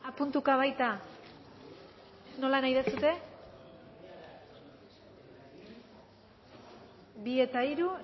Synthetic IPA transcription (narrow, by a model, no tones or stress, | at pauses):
apunt̪ukaβ̞ajt̪a | no̞lanajðasut̪e̞ | βie̞t̪aiɾu